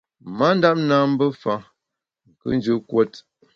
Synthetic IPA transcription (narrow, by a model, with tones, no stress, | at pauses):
ma˦n̩˦da˦p̚na˦m̩˦bə˦fa˦ | ŋ̩˨kɨ̰˦n˦d͡ʒə˦kwɔ˦t